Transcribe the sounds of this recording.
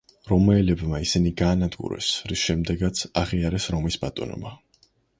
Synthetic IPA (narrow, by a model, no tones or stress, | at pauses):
ɾɔmɛːlɛbmaisiniɡaːnad̪ɡṵɾɛ̰sɾisʃɛmd̪ɛɡat̪sʰaʁiaɾɛsɾɔmisb̥at̪ʼɔnɔ̰ba